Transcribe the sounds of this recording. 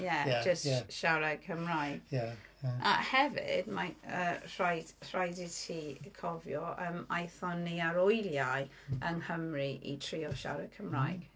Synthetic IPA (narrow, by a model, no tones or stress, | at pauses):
jɛd͡ʒəstʃaɾɛɡkʰəmrajɡ̥ | a̰hɛvɪ̰d̥maər̥ajdr̥ajditʰiːkʰɔvjɔʔəmajθɔniaɾɔjljaj | ənhəmriʔḭtʰriɔʃa̰ɾɛ̥kʰəmrajɡ̥